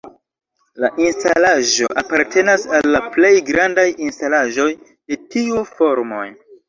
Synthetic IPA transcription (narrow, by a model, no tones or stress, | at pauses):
laʔinstalaʒo̞̰ʔapaɾtʰe̞nasalːaple̞jɡɾandajinstalaʒo̞j | de̞tiufo̞ɾmo̞̰j